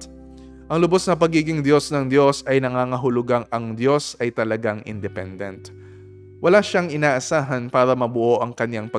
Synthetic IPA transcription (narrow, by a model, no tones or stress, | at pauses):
ʔɐŋlʊbosnɐpɐɡiːɡɪŋd̪jo̞snɐŋd̪jo̞sɐjnɐŋaːŋɐɦʊlʊɡaŋɐŋd̪jo̞sɐjt̪ɐlɐɡaŋʔɪ̰nd̪ɛpɛ̰nd̪ɛnt̪ | wɐlaʃaŋʔɪnaːʔɐsaːɦɐnpaːɾɐmɐbʊʔo̞ʔɐŋkɐnjaŋpɐ